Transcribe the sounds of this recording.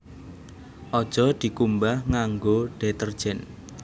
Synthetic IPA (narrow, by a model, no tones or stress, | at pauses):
ʔɔd̥ʒ̥ɔ̤d̪̥i̤kumbahŋaŋɡoɖ̥et̪ərd̥ʒ̥ɛn